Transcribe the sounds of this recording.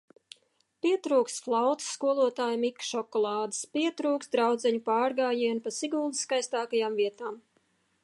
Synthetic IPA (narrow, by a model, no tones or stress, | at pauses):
pʲiɛt̪ɾuːkst̪flˠawt̪ɨ̥sːkuɔlˠuɔt̪aːjmikːʃɔkɔlˠɑːd̪ɨ̥spiɛt̪ɾuːkst̪d̪ɾawd̪zɛɲupɑːɾɡaːjiɛnpasiɡuːlˠd̪iskajst̪aːkajaːmviɛt̪aːm